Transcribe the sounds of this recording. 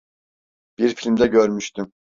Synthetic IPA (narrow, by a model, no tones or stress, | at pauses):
b̥iɾfilʲmd̪ɛɡʲøɾmyʃt̪ym